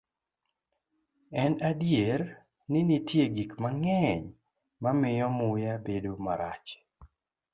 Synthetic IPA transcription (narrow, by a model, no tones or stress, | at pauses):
ɛnadjer | nɪnitjeɡikmaŋɛɲ | mamɪjɔmʊjabedomaɾat͡ʃ